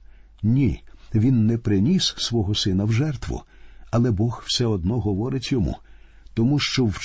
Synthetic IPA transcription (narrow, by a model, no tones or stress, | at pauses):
nʲiʋʲinːɛpɾɪnʲissʋɔɦɔsɪnɐwʒɛrt̪ʋʊ̰ | ɐlˠɛbɔxw̥sɛɔd̪nɔɦɔʋɔɾɪtʲjɔmṵ | t̪ɔmuʃt͡ʃɔwt͡ʃ